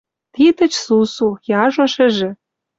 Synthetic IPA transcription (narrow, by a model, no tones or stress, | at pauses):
t̪it̪ə̆t͡ɕsusujɑʒoʃɘ̆ʒĕ